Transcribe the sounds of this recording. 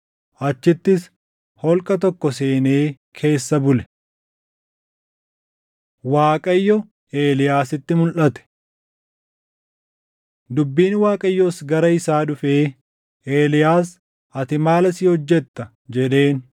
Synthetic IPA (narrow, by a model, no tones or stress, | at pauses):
ʔɐt͡ʃːɪt̪ːɪs | hɔlkʼɐt̪ɔkːɔse̞ːne̞ː | kʰe̞ːsːɐbʊlɛ̥ | waːkʼɐjːɔ | eːlɪjaːsɪt̪ːɪmʊlʔɐt̪ɛ̥ | d̪ʊbːiːnwaːkʼɐjːɔsɡɐɾɐɪsaːᶑʊfeː | ʔeːlɪjaːs | ɐt̪ɪmaːlɐsɪːhɔd͡ʒːɛt̪ːɐ | d͡ʒɛᶑe̞ːn